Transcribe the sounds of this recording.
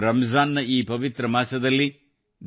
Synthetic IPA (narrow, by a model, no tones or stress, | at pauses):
ɾɐmɐzaːnːɐʔiːpɐʋit̪ɾɐmaːsɐd̪ɐlːi | d̪